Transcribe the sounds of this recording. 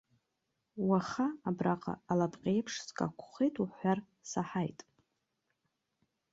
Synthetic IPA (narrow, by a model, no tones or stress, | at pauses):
waχaːbraqʼa̰ːlapʼqʲʼejpʰʂskʼa̰kʷʰχejtʼuħʷar | saħajtʼ